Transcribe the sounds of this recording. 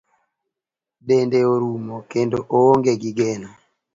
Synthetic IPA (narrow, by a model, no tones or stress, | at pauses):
ɗendeoɾumokendoʔooŋɡeɡiɡenɔ